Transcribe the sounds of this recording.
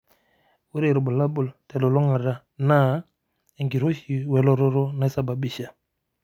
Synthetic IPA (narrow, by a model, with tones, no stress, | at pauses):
wu˦ɾe˨ɾbu˨la˦bu˨ltɛ˨lo˨lo˦ŋa˨ɾa˦ | na˦ | e˨ŋɡi˨ɾo˦ʃi˨wɛ˨lo˦ɾo˦ɾo˦na˦sa˦ba˨bi˦˨ʃa˨